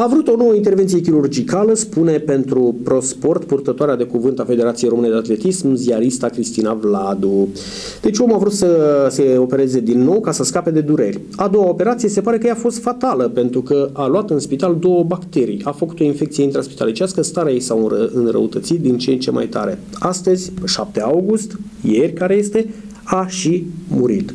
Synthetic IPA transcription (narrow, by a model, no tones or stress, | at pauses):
avɾut̪o̞no̞wəint̪e̞rvnt̪sije̞kʲiɾurd͡ʒikaləspune̞pe̞nt̪ɾupɾo̞spo̞rt̪purt̪ət̪oaɾead̪e̞kuvɨnt̪afe̞d̪e̞ɾat̪sijejɾo̞mɨned̪eat̪le̞t̪ismziaɾist̪akɾist̪inavlad̪u | d̪̥e̞t͡ʃʲomavɾut̪səse̞o̞pe̞ɾe̞ze̞d̪inːo̞wkasəskape̞d̪e̞d̪uɾe̞̰rʲ | ad̪o̞wao̞pe̞ɾat̪sije̞se̞paɾe̞kəjafo̞st̪fat̪aləpe̞nt̪ɾukəʔaluat̪ɨnspit̪ald̪o̞wəbakt̪e̞ɾḭjafəku̥t̪o̞infe̞kt̪sijeint̪ɾaspi̥t̪a̰lit͡ʃiaskəst̪aɾajesaɨnrə̰ut̪ət̪sit̪̚d̪int͡ʃeent͡ʃe̞mʔa̰jt̪a̰ɾe̞ | ast̪əzʲpeʃap̚t̪e̞awɡust̪ | je̞rʲkaɾeje̞st̪e̞ | aʃimuɾit̪